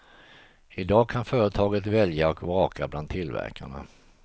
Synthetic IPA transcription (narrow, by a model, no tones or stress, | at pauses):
ɪd̪ɑːɡkʰanfœːɾət̪ʰɑːɡət̪vɛljaɔkvɑːkʰabland̪t̪ʰːɪlːvæ̰ɾkʰa̰ɳa̰